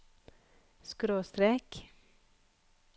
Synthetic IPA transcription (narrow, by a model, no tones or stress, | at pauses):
skɾoːst̪ɾeːk